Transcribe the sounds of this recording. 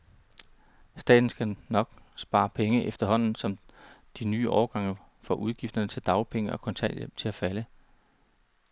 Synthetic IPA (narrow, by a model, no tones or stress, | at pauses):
sd̥ɛ̰ːd̥n̩sɡ̥ænɒ̽ɡ̥sb̥ɑ̈ːpʰeŋəʔefd̥ɐɦɒ̽n̰n̩sɒ̽md̥inyːʔɒːɐɡ̥ɑ̈ŋ̰ɐ | fɒ̽ʔuð̞ˠɡ̥ifd̥ɐnət͡sʰe̝ld̥ɑ̈ʊpʰeŋəʔɒ̽kʰɔ̽nt͡sʰɛ̰l̰jemt͡sʰe̝læfælə